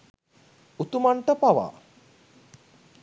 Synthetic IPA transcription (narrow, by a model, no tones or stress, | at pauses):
ut̪umaɳʈəpaʋa̰ː